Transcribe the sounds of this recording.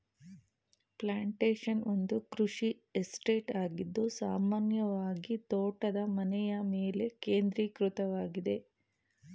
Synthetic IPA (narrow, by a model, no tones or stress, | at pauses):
plaːɳʈeːʂɐnond̪ukɾuʂi | esʈe̞ːʈaːɡid̪ːusaːmaːnjɐʋaːɡit̪oːʈɐd̪ɐmɐnɛjɐmeːle̞keːnd̪ɾiːkɾut̪ɐʋaːɡid̪e̞